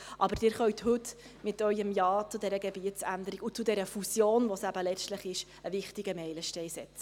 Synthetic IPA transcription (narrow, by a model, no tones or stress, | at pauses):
ʔɑbəɾd̥ɪːɾχœɥt̪hɵt | mɪtœʏəmjɑːt͡sʊd̪ɛɾəɡɛbiətt͡sæ̰nd̪əɾiɡut͡sʊd̪ɛɾəfusjoːnʋosæbəlɛt͡stləχɪʃ | əvɪχtiɡəmɛɪləʃtɛɪsɛt͡sə̥